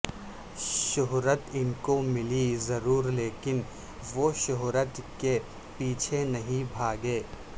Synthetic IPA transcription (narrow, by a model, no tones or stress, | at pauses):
ʃʊɦɾət̪ɪnkomɪlizɐɾuːɾleːkɪn | ʋoʃʊɦɾət̪ke | piːt͡ʃʰenɐɦĩbʱaːɡeː